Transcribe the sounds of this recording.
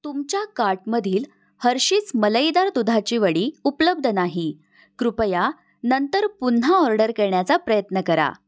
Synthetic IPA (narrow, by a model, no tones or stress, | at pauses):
t̪umt͡ɕjakaɾʈməd̪ʱiːl | həɾɕiːt͡smələjd̪aɾt̪ud̪ʱat͡ɕiːʋəɽiːupləb̚d̪ʱənaɦi | kɾupəja | nənt̪əɾpun̤aɔɾɖəɾkeɾɳjat͡sapɾəjət̪nəkəɾa̰